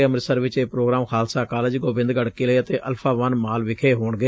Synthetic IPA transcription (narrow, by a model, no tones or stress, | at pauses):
əmɾɪsəɾʋɪt͡ʃeːpɾoːɡɾaːmkʰaːlsaːkaːlɪd͡ʒɡoːbɪ̃nd̪ɡəɽkiːləːət̪eːʔəlpʰaːʋənmaːlʋɪkʰeːɦoːɳɡeː